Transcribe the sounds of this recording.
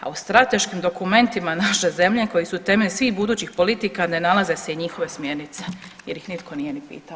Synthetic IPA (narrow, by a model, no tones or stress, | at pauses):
a̰ust̪ɾat̪e̞ʃkiːmd̪o̞kume̞nt̪imanaʃe̞ze̞mʎe̞ko̞jisut̪e̞meʎsʋiːxbud̪uːt͡ɕixpo̞lit̪ikanenalˠaze̞se̞iɲixo̞ʋe̞smje̞ɾnit̪se̞̥jeɾjixnit̪kʰo̞nije̞nipḭːt̪ao